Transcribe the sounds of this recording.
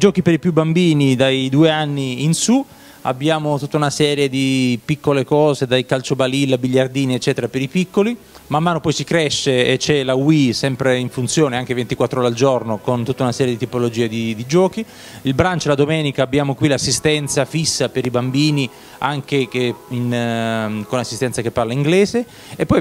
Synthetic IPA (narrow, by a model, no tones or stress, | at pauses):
id͡ʒɔːkipeɾipjubːambiːnid̪ajd̪uːeanːiːnsu | a̰bːjaːmot̪ut̪ːaunasɛːɾjed̪ipikːolekɔːzed̪ajkalt͡ʃobalilːabiʎːard̪iːniet͡ʃːɛːt̪eɾapeɾipikːoli | mamːaːnopɔjsikɾɛʃːeet͡ʃːɛlawisɛmpɾeiɱfunt̪sjoːneaŋkevent̪ikwat̪ːɾooːɾeald͡ʒornokont̪ut̪ːaunasɛːɾjed̪it̪ipolod͡ʒiːed̪id̪id͡ʒɔːki | ilbɾant͡ʃolad̪omɛːnikaːbːjaːmokwilasːist̪ɛnt̪safisːapeɾibambiːni | aŋkekein | konasːist̪ɛnt̪sakepːarlaiŋɡlɛːze | epːɔj